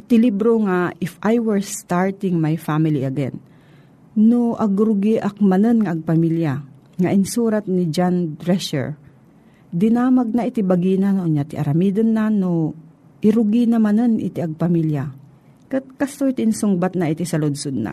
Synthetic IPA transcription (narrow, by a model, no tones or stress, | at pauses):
t̪ɪlibɾoŋaʔɪfʔajwɛɹst̪aɹt̪ɪŋmajfamɪliʔɐɡɛ̰n | noʔɐɡɾʊɡiʔɐk̚mɐnɨnŋɐʔɐɡ̚pɐmilja | ŋɐʔɪnsuːɾat̪̚nɪd͡ʒand̪ɾɛʃɛ̰ɹ | d̪ɪnamɐɡ̚naʔɪt̪ɪbɐɡiːnanoɲat̪ɪʔɐ̰ɾɐmid̪onːano | ʔɪɾʊɡinɐmɐnɨnʔɪ̰t̪ɪʔɐɡ̚pɐmilja | kɐt̪̚kɐst̪oit̪ɪnsʊŋbat̪̚nɐʔɪt̪isɐlʊd̪sod̪̚na̰